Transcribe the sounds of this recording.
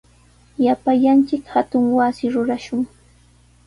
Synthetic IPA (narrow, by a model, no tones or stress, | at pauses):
japaʎant͡ʃɪkhat̪ʊŋwasɪɾʊɾaʃʊŋ